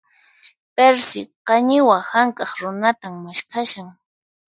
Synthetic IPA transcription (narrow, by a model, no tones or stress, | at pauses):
peɾsɪqɑɲɪwahaŋkɑχɾʊnat̪ammaʃkʰaʃaŋ